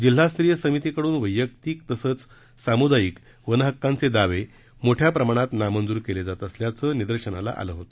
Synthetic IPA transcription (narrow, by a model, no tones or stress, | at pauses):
d͡ʑil̤ɦast̪ɾijəsəmit̪ikəɽuːnʋəjːək̚t̪iːk̚t̪əsəːt͡s | samud̪ajiːk | ʋənɦəkːãnt͡sed̪aʋe | moʈʰjapɾəmaɽ̃at̪namənd͡zuːɾkeled͡zat̪əsljat͡səːnid̪əɾɕənala̰ʔa̰ləɦot̪ə̥